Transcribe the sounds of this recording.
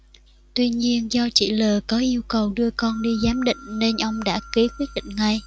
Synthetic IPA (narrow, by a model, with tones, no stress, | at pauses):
t̪wi˧ɲi˧ənzɔ˧t͡ɕḭ˧˩ləː˨˩kɔ˨˦ʔi˧əwkə˨˩wɗɨ˧əkɔ˧nɗi˧zaː˨˦mɗḭ̈˧˨ŋ̟ne˧nʔə˧wŋ͡mɗa̰ː˧˥ki˨˦kwi˦˥ət̚ɗḭ˧˨ŋ̟ŋa˧j